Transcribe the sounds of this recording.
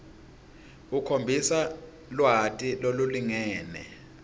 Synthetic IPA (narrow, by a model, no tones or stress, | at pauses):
ukʰombʱisa | lwɦatʼiloluliŋɛːnɛ̰